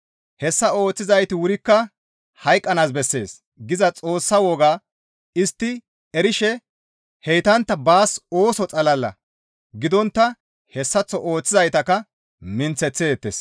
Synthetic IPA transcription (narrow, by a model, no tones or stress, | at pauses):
hɛsːɐo̞ːt͡sːɪzɐjt̪ɪwʊɾɪkːɐ | hɐjkʼːɐnaːsbɛsːe̞ːs | ɡɪzɐt͡sʼo̞ːsːɐwɔɡaː | ɪst̪ːɪ | ɛɾɪʃɛ | hɛjt̪ɐnt̪ːɐbaːso̞ːsɔt͡sʼɐlɐlːɐ̰ | ɡɪd̪ɔnt̪ːɐ | hɛsːɐt͡sːɔʔo̞ːt͡sːɪzɐjt̪ɐkːɐ | mɪnt͡sːɛt͡sːeːt̪ːḛːs